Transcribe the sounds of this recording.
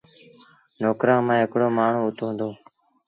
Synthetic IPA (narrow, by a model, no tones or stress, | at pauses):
noːkɾãːmãːɦɪkɽoːmaːɳ̤ũːʊt̪ʰoːɦnd̪oː